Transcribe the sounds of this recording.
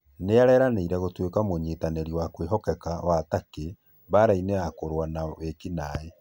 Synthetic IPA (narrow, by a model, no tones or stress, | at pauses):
neaɾɛːɾaneiɾɛɣotwekamoɲetanɛɾiwakweɦɔkɛkawatake | βaɾaineakoɾwanawekinae